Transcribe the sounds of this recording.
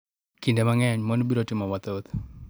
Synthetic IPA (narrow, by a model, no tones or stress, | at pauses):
kindemaŋɛɲmɔnbiɾɔtɪmɔwat̪ot̪